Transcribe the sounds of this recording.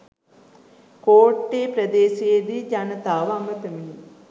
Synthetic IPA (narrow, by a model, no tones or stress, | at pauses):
koːʈːeːpɾəd̪eːʃijed̪id͡ʒanət̪aːʋamɡət̪əmini